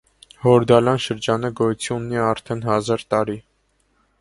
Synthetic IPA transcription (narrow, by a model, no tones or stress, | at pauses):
hɔɾd̪ɑlɑnʃəɾd͡ʒɑnəɡɔjut͡sʰiunːiɑɾt̪ʰɛnɦɑzɑɾt̪ɑɾi